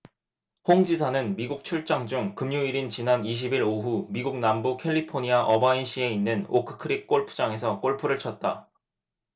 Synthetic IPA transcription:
hoŋd͡ʑisʰanɯnmiɡuk̚t͡ɕʰuɭt͡ɕ͈aŋd͡ʑuŋkɯmjoiɾint͡ɕinaniɕ̬ʰibiɾoɦumiɡuk̚nambukʰe̞ɭʎːipʰoɲiaʔʌbainɕ͈ie̞inːɯnokʰɯ̥kʰɯɾik̚k͈oɭpʰu̥d͡ʑaŋe̞sʰʌk͈oɭpʰɯɾɯɭt͡ɕʰʌt̚t͈a

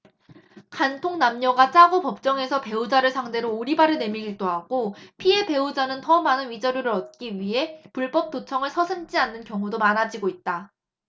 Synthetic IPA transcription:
kantʰoŋnamɲʌɡat͡ɕ͈aɡupʌp̚t͡ɕ͈ʌŋe̞sʰʌpe̞ud͡ʑaɾɯɭsʰaŋde̞ɾoːɾibaɾɯne̞miɡiɭt͈oɦaɡ̥opʰie̞pe̞ud͡ʑanɯntʌmanɯnɥid͡ʑʌɾjoɾɯɭʌt̚k͈iɥiɦe̞puɭp͈ʌp̚t͈ot͡ɕʰʌŋɯɭsʰʌsʰɯnt͡ɕ͈ianːɯnkjʌŋudomanad͡ʑiɡoit̚t͈a

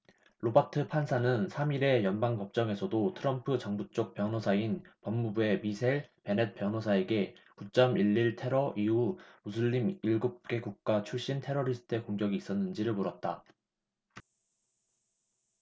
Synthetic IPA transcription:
ɾobatʰɯpʰansʰanɯnsʰamiɾe̞jʌnbaŋkʌp̚t͡ɕ͈ʌŋe̞sʰʌdotʰɯɾʌmpʰɯt͡ɕʌŋbut͡ɕ͈ok̚p͈jʌnɦosʰainpʌmːubue̞misʰeɭpe̞net̚p͈jʌnɦosʰae̞ɡe̞kut͡ɕ͈ʌmiɭːiɭtʰe̞ɾʌʔiɦumus̬ʰuʎːimiɭɡup̚k͈e̞ɡuk̚k͈at͡ɕʰuɭɕ͈intʰe̞ɾʌɾisʰɯ̥tʰe̞koŋɡjʌɡiːs͈ʌnːɯnd͡ʑiɾɯɭmuɾʌt̚t͈a

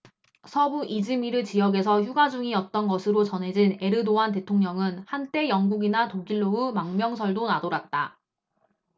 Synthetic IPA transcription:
sʰʌbuʔid͡ʑimiɾɯt͡ɕijʌɡe̞sʰʌçjuɡad͡ʑuŋiʌt̚t͈ʌnɡʌsʰɯɾot͡ɕʌnɦe̞d͡ʑine̞ɾɯdowante̞tʰoŋɲʌŋɯnhant͈e̞jʌŋɡuɡinatoɡiɭːoumaŋmjʌŋsʰʌɭdonadoɾat̚t͈a

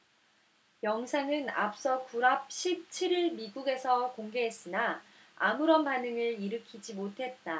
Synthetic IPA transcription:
jʌŋsʰaŋɯna̰p̚s͈ʌkuɾap̚ɕʰip̚t͡ɕʰiɾiɭmiɡuɡe̞sʰʌkoŋɡe̞ɦe̞s͈ɯna̰ː | muɾʌnpanɯŋɯɭiɾɯkʰid͡ʑimotʰe̞t̚t͈a

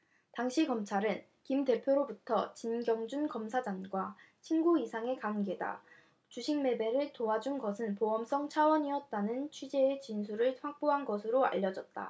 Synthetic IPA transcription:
taŋɕʰikʌmt͡ɕʰaɾɯn | kimte̞pʰjoɾobutʰʌt͡ɕinɡjʌŋd͡ʑunkʌmsʰad͡ʑaŋɡwa | ɕʰinɡuisʰaŋe̞kaŋɡe̞da̰ | t͡ɕuɕʰiŋme̞be̞ɾɯɭtoad͡ʑunɡʌsʰɯnpoʌms͈ʌŋt͡ɕʰawʌɲiʌt̚t͈anɯnt͡ɕʰwid͡ʑe̞et͡ɕins̬ʰuɾɯɭɸwak̚p͈oɦanɡʌsʰɯɾoa̰ʎːʌd͡ʑʌt̚t͈a̰

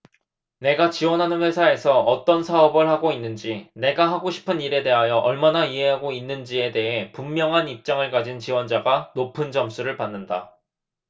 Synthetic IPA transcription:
ne̞ɡat͡ɕiwʌnɦanɯnɸwe̞sʰae̞sʰʌʌt͈ʌnsʰaʌbɯɭhaɡoinːɯnd͡ʑine̞ɡaɦaɡoɕʰi̥pʰɯniɾe̞de̞ɦajʌʔʌɭmanaiɦeɦaɡoinːɯnd͡ʑie̞de̞ɦe̞pumːjʌŋɦanip̚t͡ɕ͈aŋɯɭkad͡ʑint͡ɕiwʌnd͡ʑaɡanopʰɯnd͡ʑʌmsʰuɾɯɭpanːɯnda

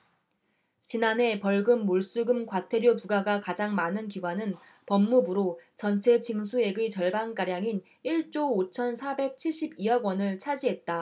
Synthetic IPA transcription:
t͡ɕinanɦe̞pʌɭɡɯmːoɭs͈uɡɯmkwatʰe̞ɾjopuɡaɡakad͡ʑaŋmanɯnkiɡwanɯn | pʌmːubɯɾot͡ɕʌnt͡ɕʰe̞t͡ɕiŋsʰue̞ɡit͡ɕʌɭbank͈aɾjaŋin | iɭt͡ɕ͈oːt͡ɕʰʌnsʰabe̞k̚t͡ɕʰiɭɕ͈ibiʌɡwʌnɯɭt͡ɕʰad͡ʑiɦe̞t̚t͈a

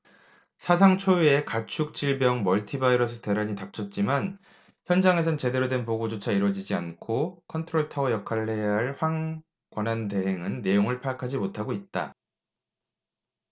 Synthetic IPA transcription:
sʰas̬ʰaŋt͡ɕʰoie̞kat͡ɕʰuk̚t͡ɕ͈iɭbjʌŋmʌɭtʰibaiɾʌs̬ʰɯte̞ɾaɲitak̚t͡ɕʰʌt̚t͡ɕ͈iman | çjʌnd͡ʑaŋe̞sʰʌnt͡ɕe̞de̞ɾodwe̞npoɡod͡ʑot͡ɕʰaiɾwʌd͡ʑid͡ʑiankʰokʰʌntʰɯɾoɭtʰawajʌkʰaɾɯɭhe̞ɦaɭɸwaŋ | kwanante̞ɦe̞ŋɯnːe̞joŋɯɭpʰaakʰad͡ʑimotʰaɡoit̚t͈a̰

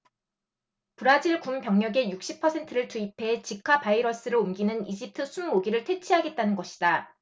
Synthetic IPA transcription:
pɯɾad͡ʑiɭkumpjʌŋɲʌɡe̞juk̚ɕ͈ʰipʰʌsʰe̞ntʰɯɾɯɭtuipʰe̞t͡ɕikʰapaiɾʌs͈ɯɾoːmɡinɯnid͡ʑip̚tʰɯsʰumːoɡiɾɯɭtʰwe̞t͡ɕʰiɦaɡe̞t̚t͈anɯnɡʌɕʰi̥da

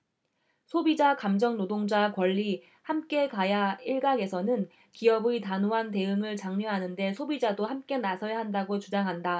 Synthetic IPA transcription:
sʰobid͡ʑakamd͡ʑʌŋnodoŋd͡ʑakwʌʎːi | hamk͈e̞kajaiɭɡaɡe̞sʰʌnɯn | kiʌbɯitanoɦante̞ɯŋɯɭt͡ɕaŋɲʌɦanɯnde̞sʰobid͡ʑadohamk͈e̞nasʰʌjaɦandaɡot͡ɕud͡ʑaŋɦanda

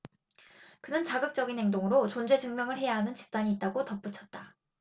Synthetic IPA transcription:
kɯnɯnt͡ɕaɡɯk̚t͡ɕ͈ʌɡinhe̞ŋdoŋɯɾot͡ɕond͡ʑe̞d͡ʑɯŋmjʌŋɯɭɦe̞jaɦanɯnt͡ɕi̥p̚t͈aɲiːt̚t͈aɡotʌp͈ut͡ɕʰʌt̚t͈a

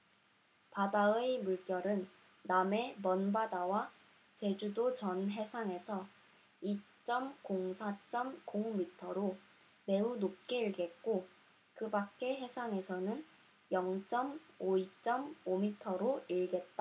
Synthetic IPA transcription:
padaɯemuɭk͈jʌɾɯnː | ame̞mʌnbadawa | t͡ɕe̞d͡ʑudot͡ɕʌnɦe̞sʰaŋe̞sʰʌ | i | t͡ɕ͈ʌmkoŋsʰat͡ɕ͈ʌmkoŋmitʰʌɾo | me̞unop̚k͈e̞iɭɡe̞t̚k͈o | kɯbak̚k͈e̞ɦe̞sʰaŋe̞sʰʌnɯn | jʌŋt͡ɕ͈ʌmoit͡ɕ͈ʌmomitʰʌɾoiɭɡe̞t̚t͈a

